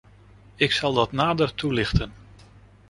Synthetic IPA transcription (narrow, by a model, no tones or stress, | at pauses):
ɪksɑlˠdɑtnaːdərtulɪχtən